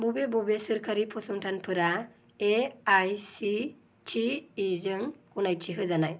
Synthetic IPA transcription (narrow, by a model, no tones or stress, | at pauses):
bubebubesɯɾkʰaɾipʰɔsɔŋʈʰanpʰɯɾa | eajsi | t͡ʃʰiːzɯŋkunajt͡ʃʰiɦɯzanaj